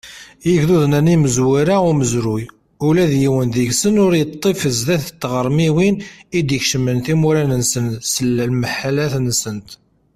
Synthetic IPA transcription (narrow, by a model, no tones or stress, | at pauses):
jəkðuðnæniməzwiɾaʊməzɾuj | ulæðjiwənðiʝsənʊɾjət̪ˤːefəzðæθət̪ːʁəɾˤmiwinid̪jəçʃəmənθimuɾænənsənsəlːælməħalæθnsənt̪